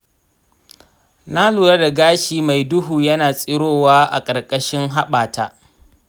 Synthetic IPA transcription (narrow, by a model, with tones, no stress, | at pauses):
na˦luː˨ɾa˦da˨ɡaː˦ʃiː˨ma˨jdʊ˦ɦuː˨jɐ˦naː˨sʼɪ˦ɽoː˦˨waː˦ʔa̰˨kʼɐ˨rkʼɐ˦ʃɪ˦ŋɦa˦ɓaː˨taː˦